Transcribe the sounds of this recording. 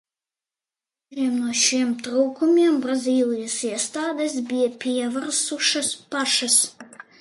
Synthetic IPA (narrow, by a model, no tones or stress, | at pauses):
iɛmnuɔʃiɛmt̪ɾuːkumʲiɛmbɾazʲiːlʲˠijɐsiɛst̪aːd̪ɛs̬bʲijɐpʲiɛvaɾsuʃɐspaʃɐs